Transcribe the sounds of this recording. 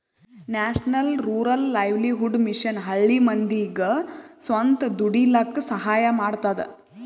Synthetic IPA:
naːʂnɐlɾuːɾɐlːɐjʋliɦuɖmiʂɐnɦɐɭːimɐnd̪iɡɐsʋɐnt̪ɐd̪uɽilɐkːusɐɦaːjɐmaːɖt̪aːd̪ḛ

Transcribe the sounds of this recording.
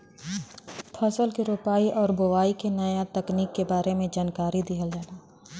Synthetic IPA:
pʰəsəlkiɾoːpaːiʔɔːɾboʋaːikenɐjat̪ɐkniːkːebaːɾemẽd͡ʒaːnkaːɾid̪ɪɦəld͡ʒaːlaː

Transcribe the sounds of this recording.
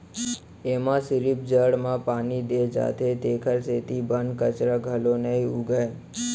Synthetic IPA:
emãsɪɾip̚d͡ʒəɽmãpanid̪ed͡ʒa̰t̪ʰet̪ekʰəɾset̪ibənkət͡ʃɾəɡʱəlonəɦĩuɡəe

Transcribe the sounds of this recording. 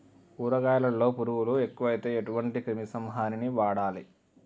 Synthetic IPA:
uːɾɐɡaːjɐlɐlːo̞ːpuɾuwulue̞kːuʋɐjit̪e̞ːeʈuʋɐɳʈikɾimisɐmɦaːniniʋaːɽaːli

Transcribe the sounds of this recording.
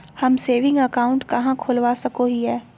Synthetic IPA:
hɐmseːʋɪ̃ŋɡəkaːʊ̃ɳʈkɐɦãkʰoːlʋasɐkoɦiɦɛː

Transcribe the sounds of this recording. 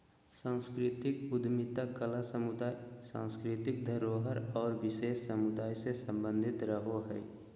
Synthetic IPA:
sãːskɾɪt̪ɪkʊd̪mɪt̪akəlasəmʊd̪aːsã̰ːskɾɪt̪ɪk̚d̪ʱəɾoːɦəɾɔːɾwɪʃeːsːəmʊd̪aːjsesə̃mbə̃nd̪ʱɪt̪ɾəɦoɦɛ̰ː

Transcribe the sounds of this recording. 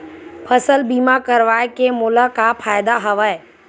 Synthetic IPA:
pʰɐsəlbiːmakəɾʋaːekemʊlakapʰaːjɪd̪aɦɐʋaːe

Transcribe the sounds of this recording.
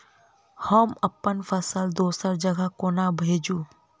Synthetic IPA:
həməpːənpʰəsəld̪oːsəɾd͡ʒəɡəkoːnabʱeːd͡ʒuː

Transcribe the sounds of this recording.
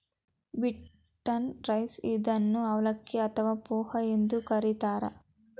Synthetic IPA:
biʈ | ʈːɐnʈɾɐjsid̪ɐnːuɐʋɐlɐkːiɐt̪ʰɐʋaːpuːhɐend̪ukɐɾit̪aːɾɐ̰

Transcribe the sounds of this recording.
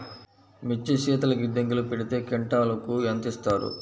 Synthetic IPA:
mit͡ʃːiʃiːt̪ɐlɐɡid̪ɐŋɡilupeɽit̪e̞ːkeɳʈaːlɐkuɐnt̪ist̪aːɾṵ

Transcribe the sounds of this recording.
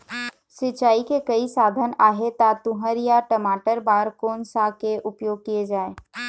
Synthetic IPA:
sɪt͡ʃaːikekɐisaːd̪ʱənaːɦet̪at̪ʊ̃ɦəɾjaʈəmaːʈəɾbaːɾkoːnsakeʔʊpjoːɡ̚kied͡ʒaːeː

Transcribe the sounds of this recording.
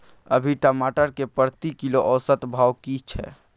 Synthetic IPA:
ə̰bʱiʈəmaʈəɾkepəɾt̪ikiloʔɔːsət̪bʱaːwkit͡ʃʰɛ̰

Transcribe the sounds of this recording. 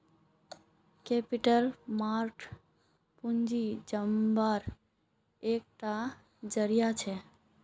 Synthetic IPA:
kepɪʈəlmaɾʈʰ | pund͡ʒid͡ʒəmbaɾ | ek̚ʈa | d͡ʒəɾijat͡ʃʰe

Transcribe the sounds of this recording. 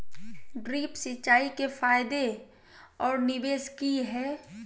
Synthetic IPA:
ɖɾiːpsɪʃaːikefaːɪd̪e | ɔːɾnɪbeːskiɦɛː

